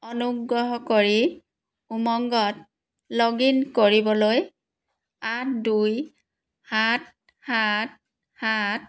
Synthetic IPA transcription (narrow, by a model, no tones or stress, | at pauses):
ɔnuɡɹɔɦɔkoɹi | umɔŋɡɔt | loɡinkoɹibɔloj | at̚duj | hat̚ | hat̚ | hat̚